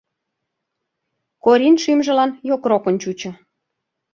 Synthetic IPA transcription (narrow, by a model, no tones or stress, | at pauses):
koɾʲinʃymʒə̆lɑnjokrokə̆nt͡ɕut͡ɕɤ̆